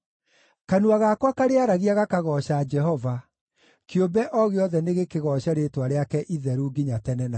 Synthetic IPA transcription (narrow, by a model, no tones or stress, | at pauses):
kanuaɣakwakaɾeaɾaɣiaɣakaɣɔɕad͡ʒɛɦɔva | keombɛʔɔɣeɔðɛneɣekeɣɔɕaɾetwaɾeakɛʔiðɛɾuɡiɲatɛnɛna